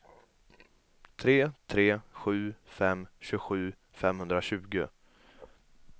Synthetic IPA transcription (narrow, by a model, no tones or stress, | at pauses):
t̪ʰɾeːt̪ʰɾeːɧʉ̟ːfɛmɕɵɧʉ̟ː | fɛmhɵnd̪ɾaɕʉ̟ːɡʊ